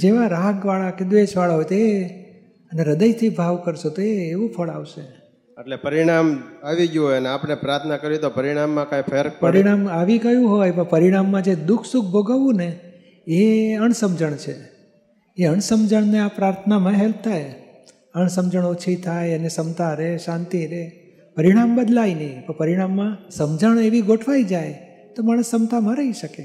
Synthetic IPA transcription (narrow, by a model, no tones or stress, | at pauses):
d͡ʒeʋaɾaɦɡʋaɭaked̪ʋeʃʋaɭaɦojt̪oe | əneɾəd̪əjt̪ʰibʱaʋkəɾʃet̪oeːʋũpʰəɭaʋʃe | eʈlepəɾiɽ̃amaʋid͡ʒojəneapɳepɾaɾt̪ʰnakəɾit̪opəɾiɽ̃amːãkãjpʰeɾpəɾiɽ̃amaʋikəjũɦojpəpəɾiɽ̃amːãd͡ʒed̪ʊkʰsuk̚ʰbʱoɡaʋũne | eəɳsəmd͡ʒəɳ̃t͡ʃʰe | eəɳ̃səmd͡ʒəɳ̃neapɾaɾt̪ʰənamãɦɛl̚t̪ʰaj | əɳ̃səmd͡ʒəɽ̃ot͡ʃʰit̪ʰajənesəmt̪ʰaɾeʃãnt̪iɾe | pəɾiɽ̃ambəd̪lainəipəpəɾiɽ̃amːãsəmd͡ʒəɳeʋiɡoʈʰʋaid͡ʒaj | t̪omaɽ̃əsəmt̪amãɾəiʃəke